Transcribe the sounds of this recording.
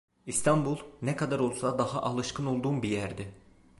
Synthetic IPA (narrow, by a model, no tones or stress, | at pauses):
ist̪ʰɑmbulˠnɛkʰɑd̪ɑɾo̞lˠsɑd̪ɑhɑʔɑlˠɯʃkʰɯnolˠd̪umbijæɾd̪i